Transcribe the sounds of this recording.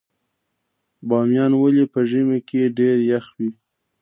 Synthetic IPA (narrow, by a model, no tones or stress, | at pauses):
bɑmjɑnwəlipəʒəmekeɖeɾjaxwi